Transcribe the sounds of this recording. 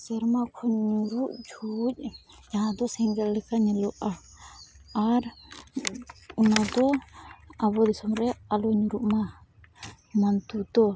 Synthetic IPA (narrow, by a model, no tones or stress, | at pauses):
sɛɾmakʰɔɲɲuɾuʔd͡ʒʱuc̚ | d͡ʒaɦãd̪ɔsɛŋɡɛllɛkaɲɛlɔʔaː | ɾ | unad̪ɔ | abɔd̪isɔmɾɛalɔɲuɾuʔma | mant̪ud̪ɔ